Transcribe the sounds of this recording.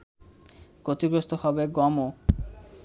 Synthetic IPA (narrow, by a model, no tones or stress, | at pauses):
ɡ̥ot̪iɡɾost̪ʰohɔbeɡɔmo